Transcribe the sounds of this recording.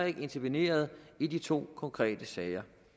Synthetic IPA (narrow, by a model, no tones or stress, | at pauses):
e̝ɡ̥əe̝nt͡sʰɐʋine̝̰ːɐð̞ˠidit͡sʰo̝̰ːkʰɒ̽ŋkʰʁɛ̰ːd̥əsɛːɪɐ